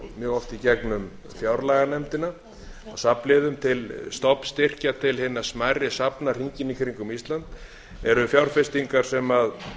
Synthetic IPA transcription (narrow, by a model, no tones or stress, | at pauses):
mjœːɣɔft̪icɛknʏm | fjawɾlaɣanɛmt̪ɪna | awsaplɪðʏmt̪ʰɪlst̪ɔpst̪ɪr̥cat̪ʰɪlhɪnːḁsmajɾɪsapnar̥iɲcɪnːikʰɾiŋkʏmist̪lant̪ | ɛɾʏfjawɾ̥fɪst̪iŋkaɾ̥sɛmað